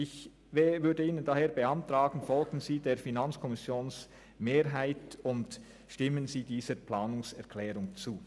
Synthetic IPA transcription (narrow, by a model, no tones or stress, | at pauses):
ɪç | vɛvʏdəiːnəndaheːɐbəantʁaːɡn̩fɔlɡn̩ziːdeːʁfinant͡skʰɔmɪsjoːns | meːʁɦaɪtʊnt | ʃtɪmənziːdiːzəplaːnʊŋsɛʁkʰlɛːʁʊŋt͡suː